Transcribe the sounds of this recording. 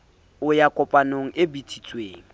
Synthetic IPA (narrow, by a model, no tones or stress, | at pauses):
ʊjakʼʊpʼanoŋ̩ʔɪbitʰʼit͡sʼweːŋ̩